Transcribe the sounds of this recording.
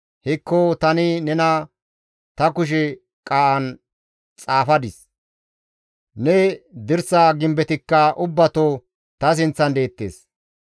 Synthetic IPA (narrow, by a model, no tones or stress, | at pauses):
hɪkːot̪ɐnɪnɛnɐ | t̪ɐkʊʃ̬ɛ | kʼaːʔɐn | t͡sʼaːfɐd̪ɪs | nɛd̪ɪɾsaːɡɪmbɛt̪ɪkːɐʔʊbːɐt̪o | t̪ɐs̬ɪnt͡sːɐnd̪e̞ːt̪ːeːs